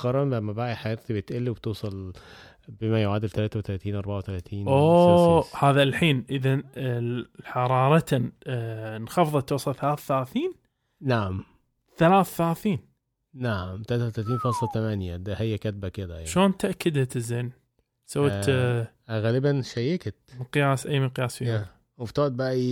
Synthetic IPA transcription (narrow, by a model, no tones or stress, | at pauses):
qɑɾˤɑmbæmːæbaːʔiħajeɾˤt̪ibet̪ʔelːiweb̚et̪uːsˤɑl | bemæjoʕaːd̪elt̪ælaːt̪æwt̪ælæt̪iːnʔɑɾˤbaʕawet̪ælæt̪ʰiːnʔoːhaːðalħiːnʔɪða | ħɑɾˤɑːɾˤɑt̪ | nxɑfðˤɑt̪ːwɑsˤɑlθalaːθθalaːθiːn | naʕam | θalaːθθalaːθiːn | naʕmt̪alaːt̪wt̪alat̪̬iːnfɑːsˤlɑt̪amanjad̪ahajːakat̪̚bakɪd̪a̰ʃoːnt̪aʔkːɪd̪at̪ɪzeːn | sawːat̪ʔɣalɪbanʃajekt̪mɪqjaːsʔajmɪqjaːsfia | wft̪oʕt̪̚baʔi